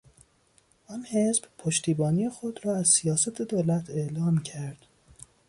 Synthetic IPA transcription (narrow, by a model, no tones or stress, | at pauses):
ʔɔnhe̞zbpʰoʃt̪ʰiːbɒːnijexod̪ɾɒːæzsijɒːsæt̪ʰe̞d̪oːlæt̪ʰeʔlɒːmcʰæɾd̪̥